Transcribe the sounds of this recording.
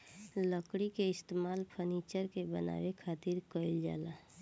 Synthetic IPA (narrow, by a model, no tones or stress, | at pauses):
ləkɽikeɪst̪eːmaːlpʰənit͡ʃəɾkebəna̰ːʋekʰaːt̪iɾkəɪld͡ʒa̰ːla